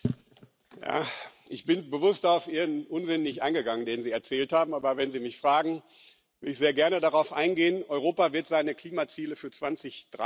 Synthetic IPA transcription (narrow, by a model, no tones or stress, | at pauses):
ja̰ːʔɪçb̥ɪnbəvʊstaʊfʔiːʁənʔʊnzɪnənɪçtʔa̰ɪnɡəɡaŋəndeːnənziːɛɐt͡sɛːlthaːbm̩ʔaːbɐvɛnziːmɪçfʁ̥aːɡŋ̩ | vɪɐdɪçz̥eːɐɡɛɐnədaʁaʊfʔa̰ɪnɡeːənʔɔʏʁ̞oːpavɪɐtz̥aɪnəkl̥iːmat͡siːləfyːɐt͡sv̥ant͡sɪçd̥ʁa